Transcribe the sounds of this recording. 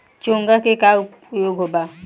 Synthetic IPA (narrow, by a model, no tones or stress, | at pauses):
t͡ʃõːŋɡakeka | ujoːɡɦoːba